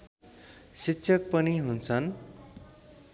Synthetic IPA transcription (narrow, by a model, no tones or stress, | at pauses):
sitːɕʰʌk̚pʌniɦunt͡sʰʌn